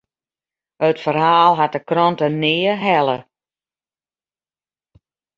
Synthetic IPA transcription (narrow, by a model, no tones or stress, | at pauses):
ətfərɦaːlˠɦat̚dəkrɔntənɪːəɦɛlˠə